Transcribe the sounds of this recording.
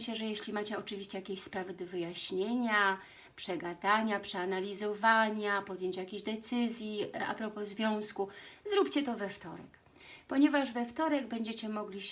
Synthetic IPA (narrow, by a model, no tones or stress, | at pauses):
ɕɛʐɛjeɕlʲimat͡ɕɛɔt͡ʂɘvʲiɕt͡ɕɛjakʲeɕʲspɾavɘd̪ɔvɘjaɕɲeɲa | pʂɛɡad̪aɲapʂɛanalʲizɔvaɲapɔd̪jeɲt͡ɕjakʲeʑd̪ɛt̪sɘzʲjia̰pɾɔpɔzvʲjɔ̃w̃skuzɾupt͡ɕɛt̪ɔvɛft̪ɔɾɛ̰k | pɔɲɛvaʐvɛft̪ɔɾɛɡbɛɲd͡ʑɛt͡ɕɛmɔɡlʲi